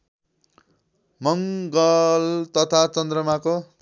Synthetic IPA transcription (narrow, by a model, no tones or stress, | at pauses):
mʌŋɡʌlt̪ʌt̪ʰat͡sʌnd̪rʌmako